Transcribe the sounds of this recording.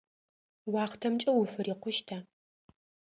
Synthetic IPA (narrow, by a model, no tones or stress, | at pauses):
wɑːχtʰɐmt͡ʃʼɐwʊfɨɾiːqʷʊʃtʰa